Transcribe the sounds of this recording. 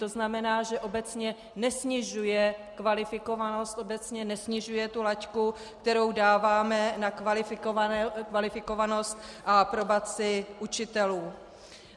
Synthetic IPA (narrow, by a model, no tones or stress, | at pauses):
t̪o̞znamɛnaːʒɛʔo̞bɛt͡sɲɛ | nɛsɲɪʒujɛkvalɪfɪko̞vano̞st̪ʔobɛt͡sɲɛnɛsɲɪʒujɛt̪ulacku | k̚t̪ɛɾo̞wdaːvaːmɛnakvalɪfɪkvalɪfɪko̞vano̞st̪ʔapɾo̞bat͡sɪʔut͡ʃɪt̪ɛluː